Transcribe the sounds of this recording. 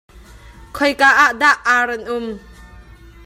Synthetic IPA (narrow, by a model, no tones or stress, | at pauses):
kʰɔjkaːʔaʔd̪aʔaːɾɛnʔʊm